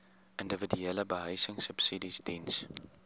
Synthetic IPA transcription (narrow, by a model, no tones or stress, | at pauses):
ʔəndəvədyɛləbəɦəjsəŋsəpsidisdins